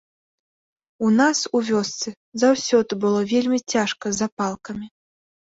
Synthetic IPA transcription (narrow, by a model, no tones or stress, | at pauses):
unasuvʲɔst̪sɨ | zawsʲɔd̪ɨbɨlˠɔvʲelʲmʲit͡sʲaʂkɐzapalˠkɐmʲi